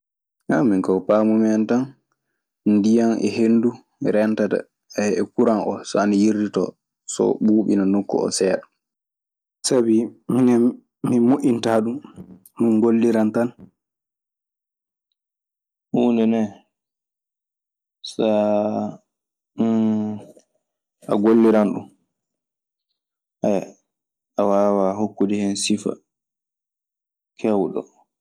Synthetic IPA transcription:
amːiŋkɔwpaːmumɛntan | ndijanɛ̰henːdu | ɾɛntata̰ | ɛɛkuɾanʔɔsɔanijirditɔ̰ | sɔ̰ɓuːɓḭnanokːɔ̰ɔ̰sɛːɗɔ | sabiminɛː | imoʔintaːɗumː | inɡolːiɾantan | huːndɛnɛ | sa | ʔa̰ɡolːiɾanɗṵm | haj | awaːwaɦokːudihɛnsifa̰ | kʰɛwɗɔ̰

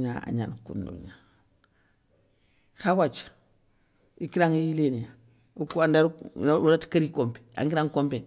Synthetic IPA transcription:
ɲa̰a̰ɲa̰nkṵndṵɲa | xawat͡ʃḁ | ikiɾaŋijilenija | ukuandaɾunatkaɾikompe̥a̰ŋkiɾaŋkompen

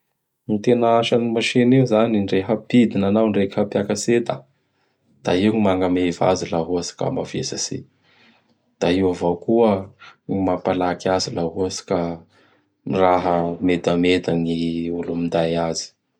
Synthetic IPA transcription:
nit̪enəaʃanimaʃeneuzaniɳɖ͡ʐeɦəpid̪inanawɳɖ͡ʐekhapjakaset̪a | d̪̥aiŋimaŋɡameva̰zilaɦuasi̥ka̰mavḛsasḭ | d̪̥aiwavawkuəimapalakazilaɦuasi̥ka | miraɦəmed̪amed̪aniulumind̪ajazi̥

